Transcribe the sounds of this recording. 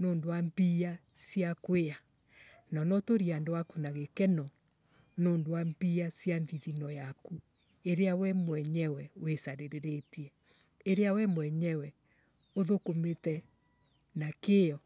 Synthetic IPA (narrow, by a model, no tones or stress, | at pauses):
noːndoambia | siakwea | nɔnɔtoɾiandowakunaɣekɛnɔ | noːndowambiasjanðiðinɔjaku | eɾeawɛmwɛɲɛwɛwesaɾeɾeɾetiɛ | eɾeawɛmwɛɲɛwɛ | oðokometɛ | nakeɔ